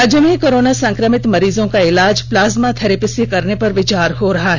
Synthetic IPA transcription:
ɐd͡ʒəmẽkoːɾoːnasɐ̃ŋkɾəmɪt̪mɐɾiːzõkaɪlaːd͡ʒplaːzmat̪ʰɐɾɪpɪsjekɐɾnepɐɾʋɪt͡ʃaːɾɦoɾɐɦaɦɛ

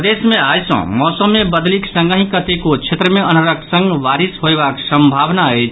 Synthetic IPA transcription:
d̪esmeajsə̰̃mɔsəmːebəd̪liksə̃ŋɡəɦĩkət̪ekot͡ʃʰet̪ɾəmeənəɾəksə̃ŋɡʋaɾisɦoeβaksə̃mbʱaʋnaət͡ʃʰ

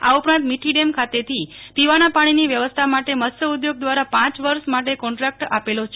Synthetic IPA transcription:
a̰upɾãnt̪miʈʰiɖemkʰat̪et̪ʰip̪iʋanapaɽ̃iniʋjəʋəst̪ʰamaʈeməst̪əud̪joɡ̚d̪ʋaɾapãt͡ʃʋəɾʃmaʈekɔ̃ɳʈɾak̚ʈa̰pelot͡ʃʰe

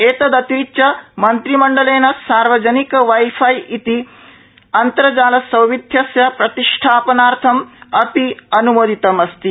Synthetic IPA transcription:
eːt̪ɐd̪ɐt̪it͡ʃːɐmɐnt̪ɾimɐɳɖɐleːnɐsaːɾʋɐd͡ʒɐnikɐʋɐjfʰɐjit̪i | ɐnt̪ɐɾɐd͡ʒaːlɐsɐwʋid̪ʱjɐsjɐpɾɐt̪iʂʈʰaːpɐnaːɾt̪ʰɐmɐpiɐnuʋoːd̪ʱit̪ɐmɐst̪i

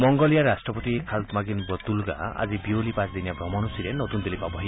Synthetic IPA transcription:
mɔŋɡɔlijaɾasʈɾɔpɔt̪ikʰalt̪maɡinbɔt̪ulɡa̰a̰d͡ʒibiolipãt͡ʃd̪injabɾɔmɔñusiɾenɔt̪und̪elipabɔɦi

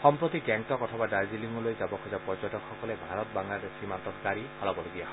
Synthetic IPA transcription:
xɔmpɹot̪ikɛŋtɔkɔtʰɔbadajziliŋɔlojzabɔkʰɔzapɔɹzɔtɔkxɔkɔlɛbʱaɹɔt̚baŋladesimantɔtkaɹiɔlɔbɔloɡijaɦ

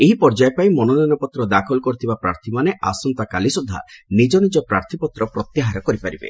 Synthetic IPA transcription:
eɦipɔɾd͡ʒajepajmɔnɔninɔpɔt̪ɾɔd̪akʰɔlɔkɔɾit̪ʰibapɾaɾt̪ʰimaneʔa̰sɔnt̪akalisud̪ʱːa̰nid͡ʒɔnid͡ʒɔpɾaɾt̪ʰipɔt̪ɾɔpɾɔt̪jaɦaɾɔkɔɾipaɾibḛ

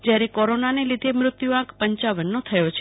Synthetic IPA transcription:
d͡ʒjaɾekɔɾonanelid̪ʱemɾʊt̪juãkpəɲt͡ʃaʋənːot̪ʰəjot͡ʃʰe

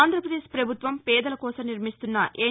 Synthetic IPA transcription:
nd̪ɾɐpɾɐd̪eːʃpɾɐbʱut̪ʋɐmpɛːd̪ɐlɐkɔːsɐmniɾmist̪unːɐʔeː

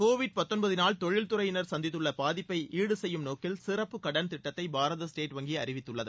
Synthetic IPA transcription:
koːʋɪɖ̚pɐt̪ːɔnbɐðɪnaːlt̪ɔɻɪlt̪ʊɾɐjɪnɐɾsɐnd̪ɪt̪ːɯɭːɐpaːðɪpːɐɪʔiːɽɯsɛjːɯmnoːkːɪlsɪrɐpːɯkɐɽɐnt̪ɪʈːɐt̪ːɐɪbʱaːɾɐðɐsʈeːʈʋɐŋɡɪjɐɾɪʋɪt̪ːɯɭːɐðɯ

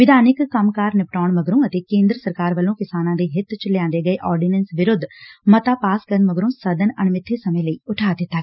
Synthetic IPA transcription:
ʋɪd̪ʱaːnɪkːəmkaːɾnɪpʈaːɳməɡɾõːət̪eːkẽːnd̪ɾəsəɾkaːɾʋəlõːkɪsaːnãːd̪eːɦɪt̪t͡ʃəlejãːnd̪eːɡəeːʔɔːɾɖɪnənsʋɪɾʊd̪ʱːmət̪aːpaːskəɾənməɡɾõːsəd̪ənə̰ɳmɪt̪ʰːeːsəmẽːləiːʊʈʰaːd̪ɪt̪ːaː

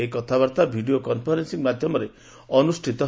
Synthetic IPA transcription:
ekɔt̪ʰabaɾt̪abʱiɖiokɔnpʰɔɾensiŋmad̪ʱjɔmɔɾe | ɔnusʈʰit̪ɔ

